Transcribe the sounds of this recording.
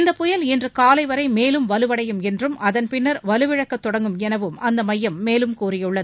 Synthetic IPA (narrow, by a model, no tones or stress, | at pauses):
ɪnd̪ɐpːʊjɐlɛndrɯkaːlɐɪʋɐɾɐɪmeːlɯmʋɐlɯʋɐɽɐjɯmɛndrɯmɐðɐnpɪnːɐɾʋɐlɯʋɪɻɐkːɐt̪ːɔɽɐŋɡɯmɛnɐʋɯmɐnd̪ɐmɐjːɐmːeːlɯmkuːrɪjɯɭːɐðɯ